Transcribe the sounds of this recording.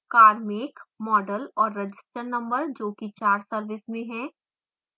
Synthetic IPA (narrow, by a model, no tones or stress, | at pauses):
kaːɾmɪkmɔːɖəlɔːɾːɐd͡ʒɪsʈəɾnɐ̃mbəɾd͡ʒoːkit͡ʃaːɾsɐɾʋɪsmẽɦɛ̃ː